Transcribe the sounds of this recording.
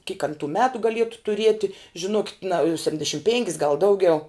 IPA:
kʲiːk ɐn tuː ˈmʲæːtʊ ɡɐˈlʲiɛtʊ tʊˈrʲiɛtʲɪ ʒʲɪˈnoːkʲɪt nɐ sʲɛpʲtʲɪnʲdʲɛˈʃʲɪm ˈpʲeːŋʲkʲɪs ɡɐlˠ ˈdɐʊɡʲɛʊ

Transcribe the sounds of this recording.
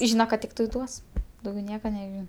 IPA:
ˈʒʲiːnɐ kɐt ˈtʲɪktɐɪ ˈduɔs dɐʊˈɡʲɛʊ ˈnʲiɛkɐ nʲɛˈʒʲɪn

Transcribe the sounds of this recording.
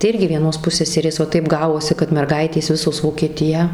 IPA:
tɐɪ ˈɪrʲɡʲɪ ʋʲiɛˈnoːs ˈpʊsʲsʲɛsʲɛrʲeːs ʋɐ ˈtɐɪp ˈɡɑːʋoːsʲɪ kɐt mʲɛrˈɡɐɪtʲeːs ˈʋʲɪsoːs ʋoːkʲiɛˈtʲɪjæː

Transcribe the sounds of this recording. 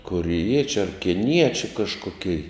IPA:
koːrʲɪˈjiɛt͡ʃʲʊ ɐr kʲɪˈnʲiɛt͡ʃʲʊ kɐʃkoːˈkʲɛɪ

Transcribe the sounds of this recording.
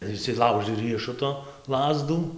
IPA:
ɪr ɪʃʲsʲɪˈlˠɐʊʒɨ ˈrʲiɛʃʊtoː ˈlˠɑːzduː

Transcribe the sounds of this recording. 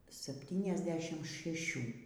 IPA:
sɐpʲˌtʲiːnʲɛzʲˈdʲæːʃʲɪm ʃʲɛˈʃʲuː

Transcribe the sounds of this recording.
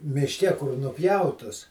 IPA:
mʲɪʃʲˈkʲɛ kʊr nʊˈpʲjɛʊtʊs

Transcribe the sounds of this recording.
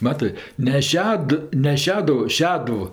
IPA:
ˈmɑːtɜ nʲɛ ˈʃʲɛt nʲɛ ˈʃʲæːdʊʋʊ ˈʃʲæːdʊw

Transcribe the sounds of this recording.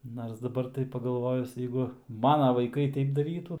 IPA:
nɐrs dɐˈbɐr tɐɪ pɐɡɐlˠˈʋoːjʊs ˈjɛɪɡʊ ˈmɑːnɐ ʋɐɪˈkɐɪ ˈtɐɪp dɐˈrʲiːtʊ

